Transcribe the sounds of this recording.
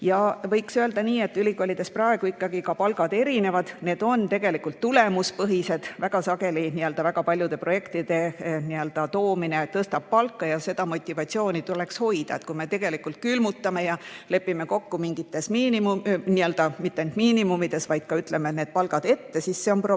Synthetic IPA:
jɑvɤjksøe̞ld̪̥ɑniːe̞t̪ːylʲikolid̪e̞sprɑeɡ̥uikːɑɡ̥ikɑpɑlɡ̥ɑd̪e̞ɾine̞vɑd̪̥ne̞ːd̪̥o̞nt̪e̞ɡ̥e̞likult̪ːule̞muspɤɦise̞d̪̥væɡ̥ɑsɑɡe̞liniø̞ld̪ɑvæɡ̥ɑpɑlʲjud̪e̞pro̞je̞kt̪id̪̥e̞niøld̪ɑt̪o̞ːmine̞t̪ɤst̪ɑb̥̚pɑlkːɑjɑse̞d̪̥ɑmo̞t̪ʲːˑivɑt̪ʲsio̞ːnʲit̪ule̞ksho̞jd̪̥ɑ̰et̪̚kume̞t̪e̞ɡ̥e̞likːˑult̪̚kylmut̪ːɑme̞jɑle̞pːˑime̞ko̞kːumiŋɡ̥it̪ːˑe̞smiːnimuniøld̪̥ɑmit̪ːˑend̪̥miːnimumid̪̥e̞svɑjd̪̥kɑyt̪le̞met̪ne̞ːd̪̚pɑlɡ̥ɑd̪̥e̞t̪ːe̞sisːe̞o̞npro

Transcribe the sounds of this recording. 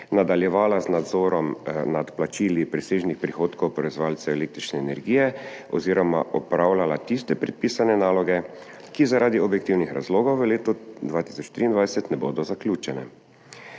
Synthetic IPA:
nad̪aljɛʋaːlaznad̪zɔːɾɔmnat̪plat͡ʃiːlipɾɛseːʒnixpɾixoːt̪kɔwpɾɔɛzʋaːlt̪sɛɛleːkt̪ɾit͡ʃnɛːnɛɾɡiːjɛɔziːɾɔma̰ʔɔpɾaːwlalat̪ist̪ɛpɾɛt̪̚piːsanɛnaːlɔɡɛ | kizaɾʔaːd̪iɔbjɛkt̪iwnixɾa̰zloːɡɔwʋəleːt̪ud̪ʋaːt̪i̥sɔt͡ʃt̪ɾiːnd̪ʋajsɛt̪nɛboːd̪ɔzaklʲjuːt͡ʃɛnɛ̰

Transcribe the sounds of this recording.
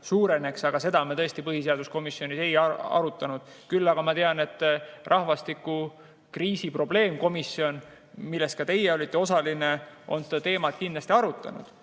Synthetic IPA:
suːɾe̞ne̞ksɑɡ̥ɑse̞d̪ɑmet̪ɤ̞est̪ipɤɦiseɑd̪̥usko̞misjo̞nise̞jɑɑ̰ɾut̪ːˑɑnud̪̥kylːɑɡ̥ɑmɑt̪eɑne̞t̪ːˑrʔɑhvɑst̪ikːˑu | kriːsipro̞ble̞ːmko̞misio̞n | milːe̞st̪kɑt̪e̞jːeo̞lʲit̪ˑːe̞o̞sɑline̞ʔo̞̰nsed̪ɑt̪e̞ːmɑt̪̚kind̪lɑsʲt̪iɑɾut̪ːˑɑ̰nṵd̪̥

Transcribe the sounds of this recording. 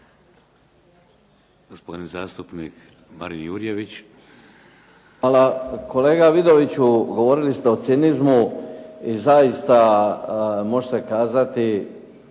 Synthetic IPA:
ɡ̥ospod̪inzaːst̪upnik | ma̰ɾinjuɾijeʋit͡ɕ | alako̞le̞ːɡaʋid̪o̞ʋit͡ɕuɡo̞ʋoːɾilist̪eot̪sinizmu | izaist̪a | mo̞ʒesekaːzat̪i

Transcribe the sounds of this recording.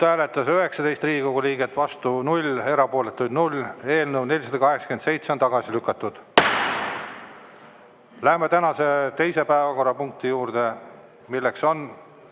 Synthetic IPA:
t̪æːle̞t̪ːˑɑsøɦe̞ksɑd̪e̞jst̪riːɡiko̞ɡuliːɡ̥et̪ːˑvɑst̪unulʲe̞ɾɑpo̞ːle̞t̪ːˑujd̪nulʲːe̞ːlnewnelʲisɑd̪̥ɑkɑɦe̞ksɑ̥kense̞jt̪seont̪ɑɡ̥ɑsilykːˑɑt̪ːˑud̪̥ | læɦemet̪ænɑse̞t̪e̞jse̞pæevɑko̞rːɑpuŋk̚t̪ijuːɾd̪̥e̞ | milːe̞kso̞n

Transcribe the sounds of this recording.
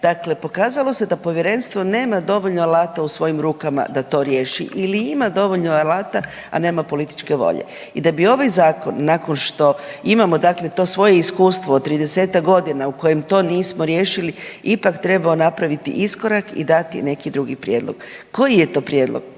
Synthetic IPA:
d̪̥akle̞po̞kaːzalo̞se̞d̪apo̞ʋjeɾe̞nst̪ʋo̞ne̞ːmad̪o̞ʋo̞ʎnoalaːt̪ausʋo̞jimɾuːkama̰d̪at̪o̞ɾje̞ːʃḭʔiliimad̪o̞ʋo̞ʎnoalˠaːt̪a | a̰ne̞ːmapo̞lit̪i̥t͡ʃke̞ʋo̞̰ʎḛ | id̪abio̞ʋajzaːkonːako̞nʃt̪o̞imamo̞d̪akle̞t̪o̞ːsʋo̞je̞iskuːst̪ʋoːt̪ːɾid̪e̞se̞t̪akɡo̞d̪inauko̞jemt̪o̞ːniːsmo̞ɾje̞ːʃiliipakt̪ɾe̞baonapɾaʋit̪ḭʔisko̞ɾakḭd̪at̪ḭne̞kid̪ɾuɡipɾjeːd̪lˠo̞̰ɡ̥ko̞jije̞t̪o̞ːpɾjed̪lo̰ɡ̥

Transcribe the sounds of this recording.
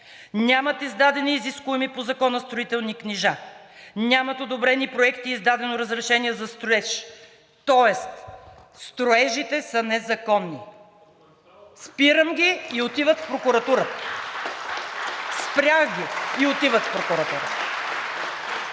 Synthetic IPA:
nʲamɐt̪izd̪ad̪ɛniːziskʊɛmipozɐkɔnəst̪ɾoit̪ɛlˠnikniʒa | nʲamɐt̪od̪obɾɛnipɾoɛkt̪iːzd̪ad̪ɛnoɾəzɾɛʃɛniɛzɐst̪ɾoɛʃ | t̪ɔɛst̪ | st̪ɾoɛʒit̪ɛsənɛzɐkɔnːi | spiɾəmɡʲiːot̪ivət̪fpɾokʊɾɐt̪uɾə | spɾʲjaxɡʲiiot̪ivət̪fpɾokʊɾɐt̪uɾə

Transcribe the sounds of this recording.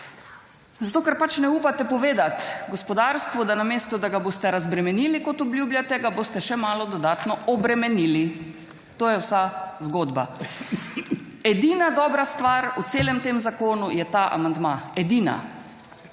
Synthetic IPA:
zat̪oːkɛɾpat͡ʃnɛuːpat̪ɛpɔʋeːd̪at̪ɡɔspɔd̪aːɾst̪ʋɔd̪anameːst̪ɔd̪aɡaboːst̪ɛɾazbɾɛmɛniːlikɔt̪ɔbljuːbjat̪ɛɡaboːst̪ɛʃɛmaːlɔd̪ɔd̪aːt̪nɔɔbɾɛmɛniːli | t̪oːjɛwsazɡoːd̪ba̰ | ɛd̪iːnad̪ɔːbɾast̪ʋaːɾut̪seːlɛmt̪emzakoːnujɛt̪aːʔa̰mand̪maɛd̪iːna̰

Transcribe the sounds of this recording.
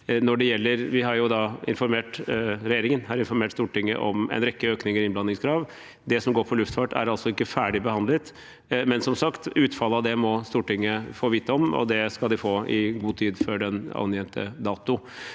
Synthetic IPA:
nɔɖɛjɛlːəɾʋɪɦɑɾjʊd̪ɑɪ̰nfɔɾmeːʈɾɛjeːɾɪŋənhɑɾɪnfɔɾmeːʈst̪uːʈɪŋːə̰ʔɔmɛ̰ɪnɾɛkːəøːknɪŋəɾɪnblɑnːɪŋskʰɾɑːʋ | d̪ɛsɔmɡoːɾpʰɔlʉft̪fɑʈæ̰ɾɑlsɔɪkːəfæːɖɪbəhɑnd̪lət̪ | mɛnsɔmsɑkt̪ʉːt̪fɑlːəɑd̪ɛmɔst̪uːʈɪŋːəfoːʋiːt̪ːəɔmɔ̰d̪ɛskɑld̪ɪfoːɪɡuːt̪ʰiːd̪fɔɖɛnɑ̰njɛnt̪ʰə̰d̪ɑːt̪ʊ

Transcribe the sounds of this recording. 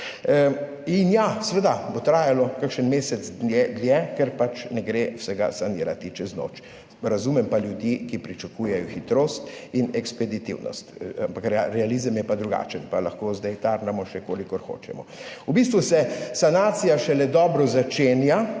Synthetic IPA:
injasʋəd̪abot̪ɾaːjalɔkakʃənmeːsɛzd̪njɛd̪ljɛkɛɾpat͡ʃnɛɡɾesɛɡa̰saniːɾat̪it͡ʃɛzno̰ːt͡ʃ | ɾazumɛmpaljud̪jikipɾit͡ʃakuːjɛjɔxit̪ɾoːst̪inɛkspɛd̪it̪ḭwnɔ̰st̪ampakɾɾɛalizəmjɛpad̪ɾuɡa̰ːt͡ʃənpalaxkoːzd̪ajt̪aɾnɛmɔʃɛkoːlikɔɾxo̰ːt͡ʃɛ̰mɔubist̪ʋusɛsanaːt̪sijaʃɛlɛd̪ɔːbɾɔzat͡ʃeːnja

